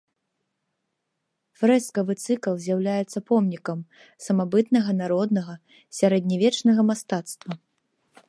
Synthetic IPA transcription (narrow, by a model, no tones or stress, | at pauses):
fɾɛskɐvɨt̪sɨklˠzʲjawlʲajɛt̪sːɐpɔmnʲikɐm | sɐmabɨt̪nɐɣɐnaɾɔd̪nɐɣɐ | sʲaɾɛd̪ʲnʲivʲɛt͡ʂnɐɣɐmast̪at̪st̪vɐ